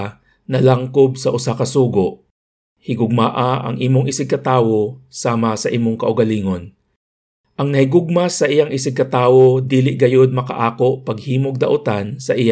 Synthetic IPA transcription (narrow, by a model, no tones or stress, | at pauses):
nɐlaŋkob̚sɐʔʊsakɐsuːɡoʔ | hɪɡʊɡ̚maːʔaʔɐ̰ŋʔiːmoŋʔɪsɪɡ̚kɐt̪aːwo̞saːmɐsɐʔiːmoŋkɐʔʊɡɐliːŋo̞n | ʔɐŋnɐhɪɡʊɡ̚masɐʔɪjaŋʔɪsɪɡ̚kɐt̪aːwod̪iːlɪʔɡɐjo̞d̪̚mɐkɐ̰ʔaːko̞ʔpɐɡhiːmoɡ̚d̪ɐ̰ʔʊt̪ansɐʔɪja